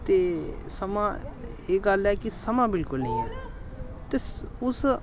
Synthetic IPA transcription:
t̪esɐmaeɡalɛkisɐmabɪlkʊlnəĩɛ | t̪esʊs

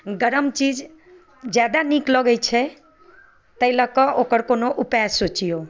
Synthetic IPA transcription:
ɡəɾəmt͡ʃid͡ʒ | d͡ʒjad̪anikləɡəjt͡ʃʰɛ | t̪əiləkəʔokəɾkonoʔupasot͡ʃijo

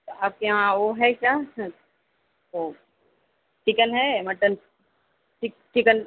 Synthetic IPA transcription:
aːp̚keãoɦɛkjaː | o | t͡ʃikənɦɛmɐʈən | ʈik̚t͡ʃikən

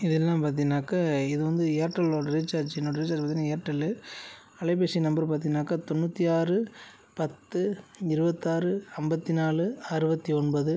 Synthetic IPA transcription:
ɪðɛlːãːmpaːɾt̪̬ɪnːaːkɐɪðɯʋɐnd̪ɯeːɾʈːɐloːɽɐɾɪt͡ʃːaːɾd͡ʒɪnːoːɽɐɾɪt͡ʃaːd͡ʒpːaɾt̪inːãːeːɾʈːɐlɯ | ɐɭɐɪp̬eːsinɐmbɐɾpaːɾt̪̬inːaːkat̪ɔnːut̪ːiaːrɯ | pɐt̪ːɯɪɾɯbɐt̪ːaːrɯɐmbɐt̪ːinaːlɯɐɾɯbɐt̪ːiɔnbɐðɯ

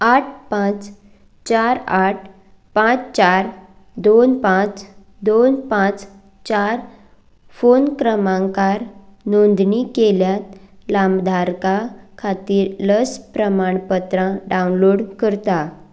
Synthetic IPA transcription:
aʈ̚ʰpãt͡s | t͡ɕaɾaʈ̚ʰ | pãt͡st͡ɕaɾ | d̪onpãt͡s | d̪onpãt͡s | t͡ɕaɾ | fonkɾəmãŋkaɾnond̪ɳikeljat̪lamd̪ʱaɾkakʰat̪iːɾləspɾəmaɳpət̪ɾãɖaunloɽkəɾt̪a

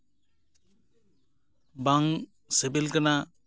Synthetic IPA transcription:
baŋ | sebelkana

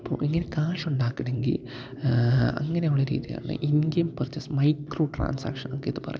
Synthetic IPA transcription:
ɐpːo̰ːʔiŋːɐnekaːʂoɳɖaːkːiɽeŋɡḭl | ɐ̰ŋːɐnejuɭːɐɾḭːðija̰ːɳɨ̰ʔiŋɡejumpɐrt͡ɕːɐsmɐjkroːʈra̰ːnsa̰ːkʂɐnokːeðɨpɐrɐj

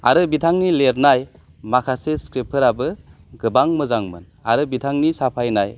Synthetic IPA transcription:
aɾɯbitʰaŋnileɾnaj | makʰaseskɾepʰɯɾabɯ | ɡɯbaŋmɯzaŋmɯ̰n | aɾɯbitʰaŋnisapʰajnaj

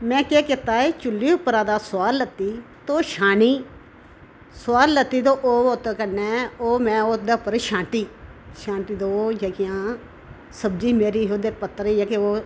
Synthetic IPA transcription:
mɛ̃ːkeːkɪt̪aːeːt͡ʃʊlːiːʊpːəɾãːd̪aːsʊaːlːət̪ːiːt̪oːʃaːɳiː | sʊwaːlːət̪ːiːd̪oːʔoːot̪ːkənɛːoːmɛ̃ːod̪eːpəɾʃãːɳʈiːʃãːɳʈiːd̪oːd͡ʒəkɪjãː | səbd͡ʒiːmeːɾiːɦoːd̪eːpət̪ːəɾijaːkeoː

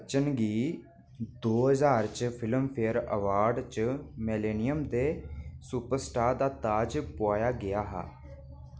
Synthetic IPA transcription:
t͡ʃənɡiː | d̪oːɦəzaːɾt͡ʃpʰɪləmpʰeəɾə̰ʋaːɾɖt͡ʃəmɛleːnɪjəmd̪eːsuːpəɾsʈaːɾd̪aːt̪aːd͡ʒpʊaːjaːɡɪaːɦa̰ː

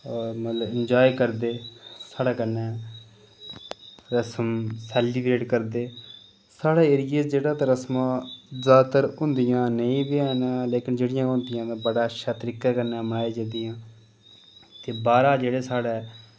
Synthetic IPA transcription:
ɔːɾmət̪ləbɪnd͡ʒaːikəɾd̪eːsaːɽaːkənːɛː | ɾəsəmsɛːliːbɾeːʈkəɾd̪eː | saːɽeːeːɾɪjeːd͡ʒeːɽaːt̪aːɾəsmãːzaːd̪t̪əɾɦʊ̃nd̪ɪjãːnəĩːbiaːnãːleːkɪnd͡ʒeːɽɪjãːɦʊ̃nd̪ɪjãːt̪ãːbəɽaːʃaːt̪əɾiːkaːkəɾnɛːmaːeːd͡ʒɪd̪ɪjãː | t̪eːbaːɾaːd͡ʒeːɽeːsaːɽɛː

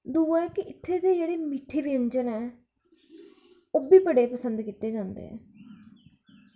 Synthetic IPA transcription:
d̪uːaɛːkɪʔɪt̪ʰːeːd̪eːd͡ʒeːɽeːmɪʈʰeːʋiə̃ɲd͡ʒənɛː | oːbiːpəɽeːpəsənd̪kiːt̪eːd͡ʒãːnd̪ḛɛ̰̃ː

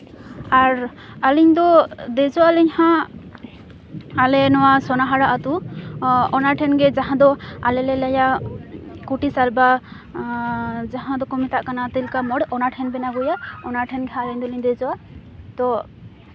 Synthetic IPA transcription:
aɾ | aliɲd̪ɔd̪ɛzɔwalɛɲhã | alɛnɔwasɔnaɦaɽaʔat̪u | ɔnaʈʰɛnɡɛd͡ʒaɦãd̪ɔalɛlɛlaja | kuʈisalba | zaɦãd̪ɔkɔmit̪aʔkanat̪ɛlkamɔɽʔɔnaʈʰɛnbɛnaɡɔjaɔnaʈʰɛnɡɛɦãaliɲd̪ɔliɲd̪ɛzɔwa | t̪ɔ

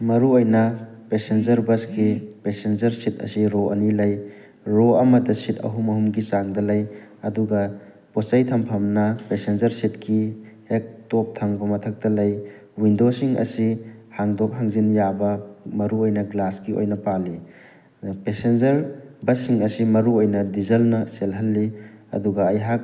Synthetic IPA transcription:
mɐɾuojnɐ | pesend͡ʒɐɾbɐskipesenzɐɾsit̚ɐ̰siɾoʔɐ̰nilɐj | ɾoɐmɐdɐsitɐ̰ɦumɐɦumɡisaŋdɐlɐjɐduɡɐ | posajtʰɐmpʰɐmnɐpesenzɐɾsit̚kʰihek̚top̚tʰɐŋbɐmɐtʰɐk̚tɐlɐj | windosiŋɐ̰sihaŋdok̚ɦaŋzinjabɐmɐɾuojnɐɡlaskio̰jnɐpali | pesend͡ʒɐɾbɐsiŋɐsimɐɾuojnɐdizɐlnɐselɦɐlːiɐ̰duɡɐɐjɦak̚

